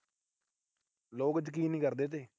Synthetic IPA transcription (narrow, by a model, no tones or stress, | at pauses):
loːɡət̪k̬iːnĩkəɾd̪et̪̬e